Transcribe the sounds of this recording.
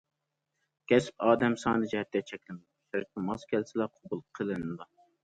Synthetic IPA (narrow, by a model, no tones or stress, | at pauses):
kʲʰɛsp̚ɑːd̪ɛmsɑːnɨd͡ʒɛhɛt̪ʰːɛt͡ʃʰɛkʲlɪnd̪ʃɛɾɪk̚ʲɨmɑzkʲʰɛlsɪlɛqʰobulˠqʰəlˠɨnɨd̪ɑ